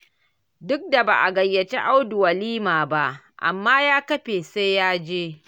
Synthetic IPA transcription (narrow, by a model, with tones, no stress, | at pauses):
dʊ˦k̚da˨ba̰ː˨ʔa˨ɡɐ˨jːɐ˨t͡ʃḛ˦ʔa˦wdʊ˨wɐ˨liː˦maː˨ba˦ʔ | ʔa̰˨mːaː˦jaː˦kɐ˦ɸeː˨se˦jjaː˦d͡ʒeː˦